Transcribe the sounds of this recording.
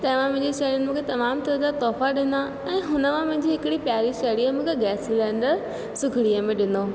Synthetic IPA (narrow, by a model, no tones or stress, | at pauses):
t̪ɐ̃ɦɪ̃ʋãmɐ̃ɦɪ̃ɲd͡ʑeʃɐːɾijʊnɪ̆mũːkʰet̪ɐmaːmt̪ɐɾd͡ʑat̪ɔːfaɗɪ̃nd̪a | ɛ̃ːɦʊnəmãmɐ̃ɦɪ̃ɲd͡ʑiɦɪkɪɽipjaːɾiʃɐːɽiəmũːkʰeɡɛːslɛ̃ːɳɖəɾ | sʊɡʱɪɽiəmẽɗɪnoː